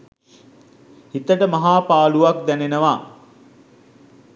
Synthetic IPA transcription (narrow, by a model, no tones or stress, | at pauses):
hit̪əʈəmaɦaːpaːluʋak̚d̪ænenəʋa